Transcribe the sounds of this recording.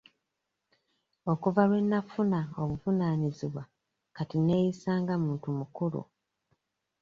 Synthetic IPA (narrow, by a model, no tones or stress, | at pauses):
o̞kuvalwe̞nːafunaoβuvunaːniziβwa | katine̞ːjisaːŋɡamuːntumukuɾṵ